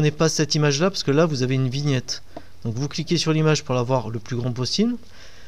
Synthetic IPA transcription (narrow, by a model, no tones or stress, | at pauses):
nɛpasɛt̪imaʒlapaʁsəkəlavuzaveynviɲɛt̪ | d̪̥ɔ̃kvuklikʲesyʁlimaʒpuʁlavwaʁləplyɡʁɑ̃p̬ɔsibl